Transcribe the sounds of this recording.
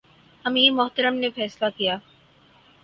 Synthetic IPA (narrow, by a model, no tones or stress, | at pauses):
hɐmimʊɦt̪əɾəmnefɛːslakijaː